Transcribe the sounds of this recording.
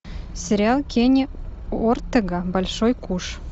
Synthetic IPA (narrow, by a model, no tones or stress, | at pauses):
sʲeɾʲɪɑlˠkʰʲenʲeort̪ːɤ̆ɡɑbɑlʲʃojkuʃ